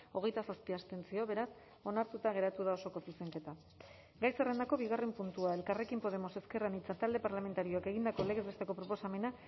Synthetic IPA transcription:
o̞ɣ̞e̞jt̪asaspiast̪e̞nsio̞βe̞ɾas | o̞naɾt̪ut̪aɣ̞e̞ɾat̪uðao̞so̞ko̞suse̞ŋke̞t̪a | ɡajsere̞nd̪ako̞βiɣare̞mpunt̪uae̞lkare̞kimpo̞ð̞e̞mo̞se̞ske̞ranit͡sat̪ald̪e̞paɾlame̞nt̪aɾio̞ake̞ɣind̪ako̞leɣ̞ezβet̪e̞ko̞pɾo̞po̞same̞na

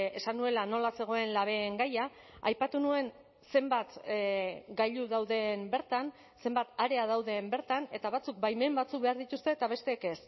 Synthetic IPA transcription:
e̞sanue̞lano̞lase̞ɣ̞o̞e̞nlaβ̞e̞ːŋɡaja | a̰jpat̪unue̞n | se̞mbat̪ | ɡaʎuðawðe̞mbe̞ɾt̪an | se̞mbat̪aɾe̞að̞awðe̞mbe̞ɾt̪ane̞t̪aβ̞at͡suk̚bajme̞mbat͡sukβe̞aɾðit̪ust̪e̞ːt̪aβ̞e̞st̪e̞ːke̞s

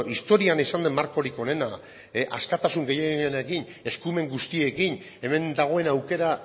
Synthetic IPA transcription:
ist̪o̞ɾianisand̪emːaɾko̞ɾiko̞ne̞na | ʔaskat̪asuŋɡe̞jeɣienakin | e̞skume̞ŋɡust̪ie̞kin | e̞me̞nd̪aɣ̞o̞e̞nawke̞ɾa

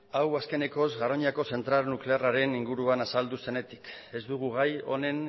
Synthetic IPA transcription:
awaske̞ne̞ko̞zɣaɾo̞ɲako̞se̞nt̪ɾalnukle̞araɾe̞niŋɡuɾuanasald̪use̞ne̞t̪i̥ke̞zd̪uɣ̞uɣajo̞̰ne̞n

